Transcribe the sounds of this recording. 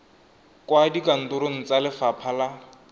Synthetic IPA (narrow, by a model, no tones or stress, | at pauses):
kwadikan̩dʊɾon̩t͡salɪfapʰala